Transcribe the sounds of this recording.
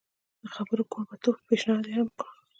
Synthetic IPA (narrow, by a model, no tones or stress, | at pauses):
d̪̥əxabəɾokobat̪opeʃnɑd̪ehamk